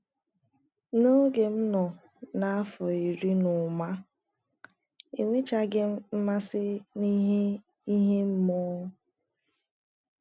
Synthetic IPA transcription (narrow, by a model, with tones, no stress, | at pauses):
no˦ɡe˨m̩˦nɔ˨ | na˦a˦fɔ˨i˨ɾi˦nʊ˨ma˦ | e˨ŋʷe˦t͡ʃa˦ɡɪ˦m̩˦m̩˦ma˦sɪ˦ni˦ɦe˦ | i˦ɦe˦m̩˦mɔ˦